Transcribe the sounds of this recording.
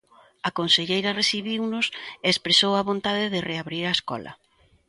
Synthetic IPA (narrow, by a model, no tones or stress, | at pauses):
akonseʎejɾɐreθiβiwnʊseːspɾesowɐβont̪aðɪðɪreaβɾiɾaeskɔ̰lɐ̰